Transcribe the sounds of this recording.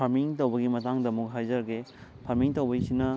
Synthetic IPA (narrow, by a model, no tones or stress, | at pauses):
ɐɾmiŋtɐwbɐɡimɐtaŋdɐmukɦajzɐɾɡepʰɐɾmiŋtɐwbɐjsinɐ